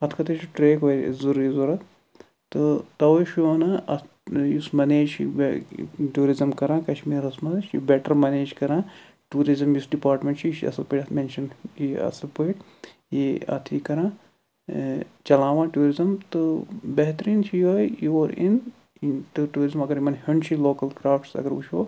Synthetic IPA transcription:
ɐt̪ʰkɐt̪et͡ʃʰiʈɾeːkʋoːzuɾizuɾɐt̪ | t̪ɨt̪ɐʋɐʃoːnɐɐ | jusmɐneːd͡ʒt͡ʃḭbʈuːɾizɐmkɐɾãːkɐt͡ʃmiːɾɐsmɐʃḭbɛʈɐɾmɐneːd͡ʒkɐɾãː | ʈuːɾizɐmjusɖipaːɾʈmʲẽɳʈt͡ʃʰiʃɐ̰sɐpeʈɐmenʃɐniɐ̰sɐpɐːʈ | jiɐ̰t̪ʰikɐɾãː | t͡ʃɐlãːʋãːʈuːɾizɐmt̪ɨbɐɦt̪ɾiːnt͡ʃʰijoːjjɐɾḭn | ʈɨʈuːɾizɐmɐɡɐɾimɐnhuɳt͡ʃʰiloːkɐlkɾaːfʈsɐ̰ɡɐɾṵʃʰoː

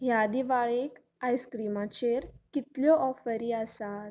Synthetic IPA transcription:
ɦjad̪iʋaɭek | ajskɾimat͡ɕeɾkit̪ljɔʔɔfəɾiəsat̪

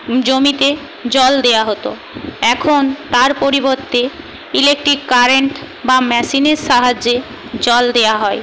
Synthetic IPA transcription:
d͡ʑomit̪e | d͡ʑɔld̪eaɦot̪o | ɛkʰont̪aɾpoɾiboɾt̪e | ilek̚ʈɾikːaɾeɳʈ | bamɛʃineɾʃaɦad͡ʑːe | d͡ʑɔld̪eoaɦɔe

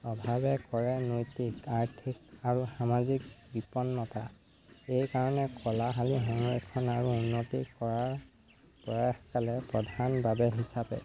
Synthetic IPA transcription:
ɔbʱabɛkɔɹɛnojtikaɹtʰikaɹuxamazik̚bipɔnːɔta | ejkaɹɔnɛkɔlaɦaliɦɔŋɹɛkʰɔnaɹuunːotḭkɔɹaɹ | pɔɹaxkalɛpɹɔdʱanbabɛɦisapɛ̰

